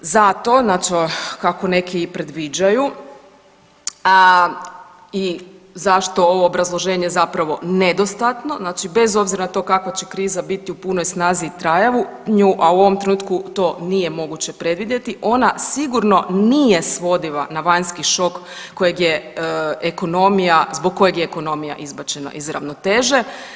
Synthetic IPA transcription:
zat̪o̞nat͡ʃiokako̞ne̞kiːpɾe̞d̪ʋid͡ʑaju | izaʃt̪o̞o̞ʋoːbɾazlˠoʒe̞ːɲezapɾaʋo̞ne̞d̪o̞st̪at̪no̞znaːt͡ʃibe̞zo̞bziɾanat̪o̞ːkakʋat͡ɕe̞kɾiːzabit̪iupuno̞jsnaːzit̪ɾajaʋu | ɲuʔauo̞ʋo̞mt̪ɾenuːt̪kut̪o̞ːnije̞mo̞ɡut͡ɕe̞pɾe̞d̪ʋid̪jet̪iʔo̞nasiɡuɾno̞nije̞sʋo̞d̪ila̰naʋaɲskiʃo̞kː | o̞jeɡje | eko̞no̞mijazboɡ̚ko̞je̞ɡjeːko̞no̞mija̰ʔizbat͡ɕe̞na̰ʔizɾa̰ʋno̞t̪e̞ːʒe̞

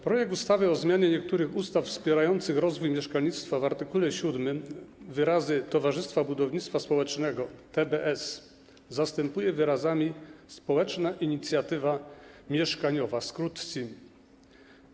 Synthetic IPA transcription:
pɾɔjɛk̚t̪ust̪avɘɔzmʲjaɲɛɲɛk̚t̪uɾɘxust̪affspʲjɛɾajɔnt̪sɘxɾɔzvujmjɛʂkaɲit̪st̪favaɾt̪ɘkulɛɕud̪mɘmvɘɾazɘt̪ɔvaʐɘst̪fabud̪ɔvɲit̪t̪faspɔwɛt͡ʂnɛɡɔt̪ɛbɛʔɛs | zast̪ɛmpujɛvɘɾazamʲispɔwɛt͡ʂnaʔiɲit̪sʲjat̪ɘvamʲjɛʂkaɲɔvaskɾut̪sʲi

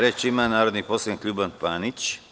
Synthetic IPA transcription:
ɾɛt͡ʃimanaːɾɔd̪nipɔslɛnkʎubɔnpanit͡ʃ

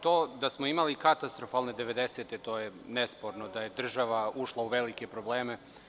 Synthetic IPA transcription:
t̪oːd̪asmoimalikat̪ast̪ɾofalˠned̪e̞ʋe̞d̪eset̪et̪oːjenespoɾnod̪ajed̪r̩ʒaʋauʃlˠauʋelike̞pɾobleːme

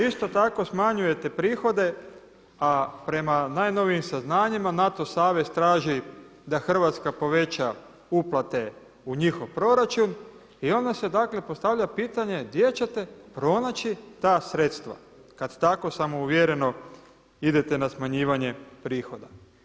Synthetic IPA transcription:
ist̪o̞t̪ako̞smaɲuje̞t̪e̞pɾiːxo̞d̪e̞ | apɾe̞manajno̞ʋiimsaznaːɲimanat̪o̞saːʋe̞zt̪ɾaːʒi | d̪axr̩ʋat̪skapo̞ʋe̞t͡ɕa | uplˠat̪e̞ | uɲixo̞ʋpɾo̞ɾat͡ʃun | io̞nd̪ased̪aːkle̞po̞st̪aʋʎapiːt̪aɲe̞d̪je̞t͡ɕe̞t̪e̞pɾo̞nat͡ɕit̪aːsɾet̪st̪ʋa̰ | kad̪t̪ako̞samo̞uʋjeɾe̞no̞ | id̪et̪e̞nasmaɲiːʋaɲe̞pɾiːxo̞d̪a

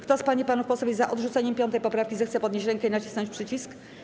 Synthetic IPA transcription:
kt̪ɔspaːɲipaːnɔfpʊɔsɔbizaʔɔd̪ʒuːt͡saɲiːmpɪɔnt̪ɛjpɔpɾaʊkizɛxt͡sɛpɔd̪ɲɛd͡ʑɾɛŋkɛanat͡ɕisnɔcpʂicisk

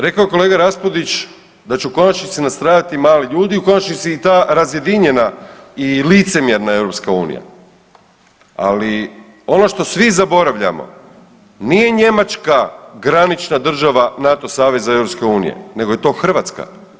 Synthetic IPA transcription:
ɾe̞kaoeko̞le̞ːɡaɾaspod̪it͡ɕ | d̪at͡ɕuuko̞nat͡ʃnit̪sinast̪ɾaːjat̪imaːliʎuːd̪iuko̞nat͡ʃnit̪siːt̪aːɾazje̞d̪iɲe̞nailit̪se̞mje̞ɾnae̞vɾo̞pskaṵːnḭja̰ | a̰li | o̞no̞ʃt̪o̞sʋizabo̞ɾaʋʎa̰mo̞̰ | nije̞ɲe̞mat͡ʃkaɡɾanit͡ʃnad̪r̩ʒaʋanat̪o̞saːʋe̞zae̞ʋɾopske̞uːnḭjḛne̞ɡo̞je̞t̪o̞ːxr̩ʋat̪ska̰

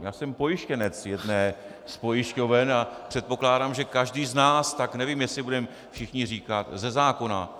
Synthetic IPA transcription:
jaːsɛmpo̞jɪʃcɛnɛt͡sjɛdnɛː | spo̞jɪʃco̞vɛnapr̥ɛt̪po̞klaːdamʒɛkaʒdiːznaːst̪aknɛviːmjɛsɪbudɛm | fʃɪxɲɪriːkat̪zɛzaːko̞na

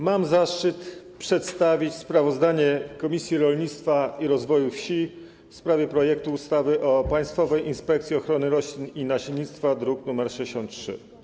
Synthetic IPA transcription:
mamzaʂt͡ʂɘt̪ | pʂɛt̪st̪avʲit͡ɕspɾavɔzd̪aɲɛkɔmʲisʲjiɾɔlɲit̪st̪faiɾɔzvɔjufɕi | fspɾavʲjɛpɾɔjɛk̚t̪uːst̪avɘʔɔpaj̃st̪fɔvɛjʔinspɛk̚t̪sʲjiɔxɾɔnɘɾɔɕlʲininaɕiɲit̪st̪fad̪ɾuknumɛɾʂeɕɔnt̪̚tʂɘ̰

